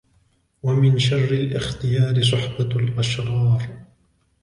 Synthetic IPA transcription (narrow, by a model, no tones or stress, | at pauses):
wamɪnʃarːɪlʔɪxt̪ɪjaːɾɪs̬ˤʊħbalʔaʃɣɑːɾˤ